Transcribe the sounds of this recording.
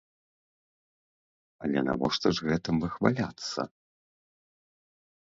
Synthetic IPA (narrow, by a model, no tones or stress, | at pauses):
ɐlʲɛna̰vɔʂt̪ɔʐɣɛt̪ɨmvɨxvalʲat̪sːɐ̰